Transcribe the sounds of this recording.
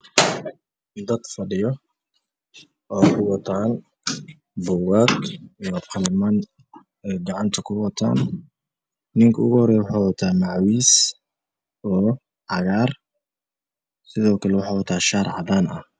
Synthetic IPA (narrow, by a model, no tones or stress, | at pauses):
d̪ɐd̪fɐɖɪjɔ | ʔɔːkʰʊwɑt̪ʰaːn | bʊwaːɡijɔqɑlɪman | ɛːɡɑʕɑnt̪ʰɐkʰʊwɑt̪ʰa̰ːn | nɪŋkʰɐʊɣʊhɔɾɛjwʊħawɐt̪ʰaːmɑʕwiːs | ɔː | ʕɑɣaːr | sɪðɔːkʰɐlɛwʊħaːwɐt̪ʰaːʃaːɾʕɑ̰ðaːnʔɐh